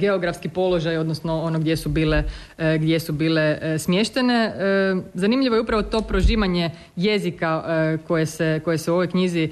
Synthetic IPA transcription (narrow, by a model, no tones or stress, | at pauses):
ɡe̞oɡɾafskipo̞lˠo̞ʒajo̞d̪nosno̞onoɡd̪je̞subiːle | ɡd̪je̞subiːle̞smje̞ʃt̪e̞ne̞ | zanimʎʲiʋo̞jupɾaʋo̞t̪o̞ːpɾo̞ʒiːʋaɲe̞ | je̞zikako̞jese̞ko̞jeseuo̞ʋo̞jkɲizi